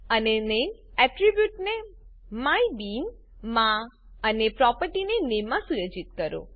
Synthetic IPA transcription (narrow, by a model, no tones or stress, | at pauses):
ənenem | ɛʈɾibjuʈne | maibin | mã | ənepɾɔpəɾʈinenemːãsujod͡ʒit̪̚kəɾo̰